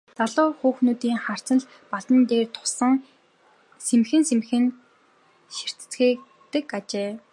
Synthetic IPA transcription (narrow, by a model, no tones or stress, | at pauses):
t͡saɮʊːxuːxnuːt̪iːŋχar̥t͡sə̆ɮ | paɮt̪ə̆nt̪eːrt̪ʰʊ̥sə̆ŋ | semxɘ̆nsemxɘ̆n | ʃir̥t̪̆t͡sxiː | t̪ɘ̆kat͡ɕeː